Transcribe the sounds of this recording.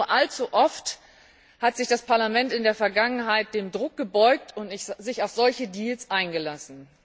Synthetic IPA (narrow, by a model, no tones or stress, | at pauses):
ɐʔalt͡suʔɔft | hatz̥ɪçd̥aspʰaɐlamɛntɪndeːɐfɛɐɡaŋənɦaɪt̚d̥eːmdʁʊk̚ɡ̥əbɔʏk̚tʰʊntnɪzɪçaʊfz̥ɔlçədiːlsʔaɪnɡəlasn̩